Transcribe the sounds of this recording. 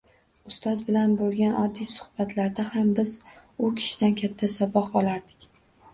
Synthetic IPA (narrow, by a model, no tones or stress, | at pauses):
ʊst̪ɒzbɪlanbolˠɡʲanɒd̪ːijsʊ̥hbat̪ʰlaɾd̪ahambɪz | ʊkʲʰɪ̥ʃɪd̪ankʲʰat̪ʰːasabɒhɒlaɾd̪ɪkʲ